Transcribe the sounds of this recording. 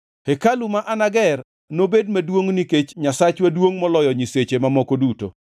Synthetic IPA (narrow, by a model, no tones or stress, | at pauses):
hekalumaʔanaɡɛr | nobed̚madwoŋniket͡ʃɲasat͡ʃwadwoŋmɔlɔjɔɲiset͡ʃemamɔkoduto̰